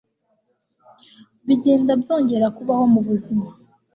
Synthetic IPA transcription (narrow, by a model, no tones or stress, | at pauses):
βiɟeːndabjo̞ːɲɟe̞ɾakuβaho̞muβuzima